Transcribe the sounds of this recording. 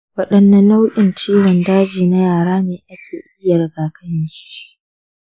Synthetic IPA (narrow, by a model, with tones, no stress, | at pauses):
wɐ˦ɗɐ˦nːɐ˦nːa˦wʔʲʼɪ˨nt͡ʃiː˦wɔ˨ndaː˦d͡ʒiː˨na˦jaː˨ɽaː˦neː˨ʔa˦kʲʰeː˨ʔɪ˦jːa˨ɾɐ˨ɡaː˨kʰɐ˦jɪ˦nʃi̥˦ʔ